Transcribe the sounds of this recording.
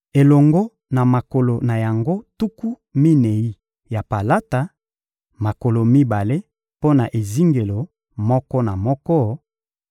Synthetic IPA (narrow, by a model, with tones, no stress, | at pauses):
e˨lɔ˨ŋɡo˦ | na˨ma˨ko˨lo˨na˨ja˨ŋɡo˦tu˦ku˦ | mi˦ne˨i˦ | ja˨pa˨la˦ta˨ | ma˨ko˨lo˨mi˦ba˨le˦ | po˦na˨ʔe˨zi˦ŋɡe˨lo˨ | mɔ˦kɔ˦na˨mɔ˦kɔ˦